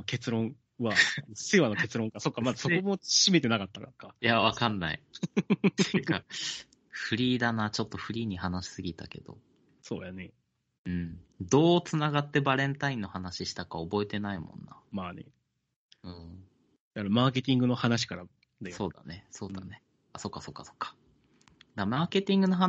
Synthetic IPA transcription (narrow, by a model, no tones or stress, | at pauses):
oke̞t͡sɨɾõ̞ɰ̃ | βaasɨβano̞ke̞t͡sɨɾõ̞ŋkaso̞kːamaasokomo̞ɕime̞t̪e̞nakat̪ːakkajaβakanːa̰ḭ | eka | ɸɯ̟ɾʲiːd̪anaːt͡ɕo̞t̪ːo̞ɸɯ̟ɾʲiːɲ̟ihanaɕi̥sɨɡʲit̪ake̞d̪̥o̞̰ | so̰ːjane̞ | ɯ̟̃ɴd̪o̞ːt͡sɨnaɡat̪ːe̞baɾẽ̞nt̪aĩnːo̞hanaɕiɕi̥t̪akaobo̞et̪e̞naimõ̞̰nːa̰maːnḛ | ɯ̟̃ɴ | d̪̥akaɾamaːke̞t̪ʲĩŋɡɯno̞hanaɕ̬i̥kaɾa | d̪ajso̞ːd̪a̰ne̞so̞ːd̪ane | aso̞kːaso̞kːḁso̞̥kːḁ | d̪amaːke̞t̪ʲĩŋɡɯ̟noɦa